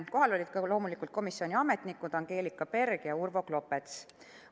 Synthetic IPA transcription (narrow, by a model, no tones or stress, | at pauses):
ko̞ɦɑlo̞lʲid̪̥̚kɑlo̞ːmulikˑult̪̚ko̞misio̞nʲiɑme̞t̪nikːˑud̪̥ɑŋɡ̥e̞ːlikːˑɑpe̞rɡ̥jɑurvo̞ɡlo̞pːˑe̞t̪s